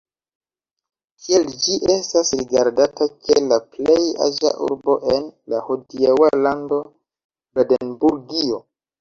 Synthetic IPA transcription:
kʰield͡ʒiʔe̞stasɾiɡaɾdatakelaple̞ja̰ʒa̰ʔṵɾbo̞ʔe̞nlahudiewalando̞ | bedenbuɾɡio̞

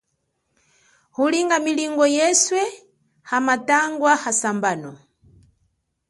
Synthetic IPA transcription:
huliŋɡamiliŋɡɔjɛswɛ | hamataŋɡwahasambaːnɔ

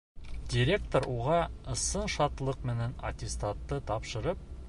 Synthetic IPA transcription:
dʲɪɾʲe̞kt̪oɾuʁɑɤ̆sɤnʃɑt̪lˠɤqmɘ̆nænɐ̰tʲɪst̪at̪ːɤt̪ɑpʃɤ̆ɾɤp̚

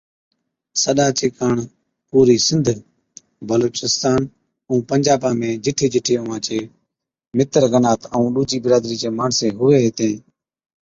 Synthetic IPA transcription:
səɗaːt͡ʃeːkaːɳ | puːɾiːsɪ̃nd̪ʱ | bəloːt͡ʃɪst̪aːn | ũːpəɲd͡ʒaːbãːmẽːd͡ʒɪʈʰeːd͡ʒɪʈʰeːʊʋãːt͡ʃeː | mɪt̪əɾɡənaːt̪əũːɗuːt͡ʃiːbɪɾaːd̪ɾiːt͡ʃeːmaːɳseːɦʊeːɦɪt̪ẽː

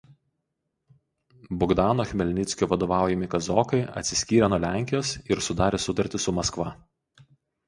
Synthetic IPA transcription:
bʊɡd̪ɑːnoːxʲmʲɛlʲnʲɪt̪sʲkʲoːʋɐd̪oːʋɑˑʊjɛmʲɪkɐzɔːkɐɪʔɐ̰t̪ʲsʲɪ̥sʲkʲiːɾʲɛnuɔlʲæˑŋʲkʲɪjoːsɪɾsʊd̪ɑːɾʲeːsʊt̪ɐɾʲt̪ʲɪsʊmɐskʋɐ

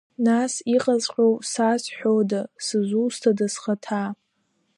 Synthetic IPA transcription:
nasiqʼazqʲʷʼowsasħᶣodasɨzʷustʰadasχatʰa

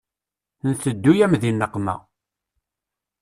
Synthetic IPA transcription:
nθəd̪ːujæmðinːəqːmæ̰

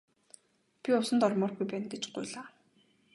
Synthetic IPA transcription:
pʲiʊsə̆nt̪ɔrmɔːrɣujpæːnɡet͡ɕɢʊ̰jɮaː

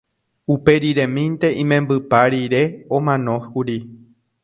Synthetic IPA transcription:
upe̞ɾiɾẽ̞mĩnt̪e̞ʔĩmẽ̞mbɨpaɾiɾe̞õmãnõ̞huɾi

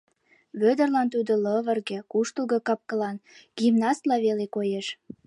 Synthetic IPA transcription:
βød̪ə̆rlɑnt̪ud̪olɤβə̆rɣekuʃt̪əlɣɤkɑp̚kə̆lɑnɡ̥imnɑst̪lɑβelekojeʃ

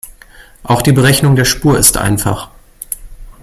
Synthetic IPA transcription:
ʔaʊxd̥iːbəʁɛçnʊŋdeːɐʃpuːɐɪ̰stʔa̰ɪnfa̰χ

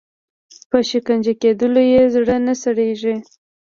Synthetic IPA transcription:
pəʃikand͡ʒaked̪əlojezɽənasaɽeʒi

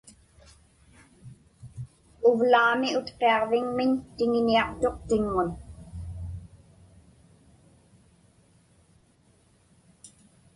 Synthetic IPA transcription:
ʊvlaːmiʊt̪qe̞ɑʁvɪŋmɪnt̪ɪŋɪniɑqt̪o̞qt̪ɪŋːʊn

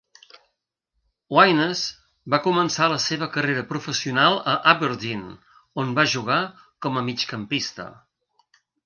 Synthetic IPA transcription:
wajnəz | bakumənsaləseβ̞əkəreɾəpɾufəsiunalˠəʔaβəɾd̪in | onbaʒuɣa | kɔməmit͡ʃkəmpist̪ə̰

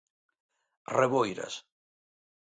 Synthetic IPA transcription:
reβojɾɐ̰s

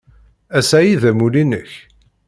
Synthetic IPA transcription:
æsæjiðæmulinəç

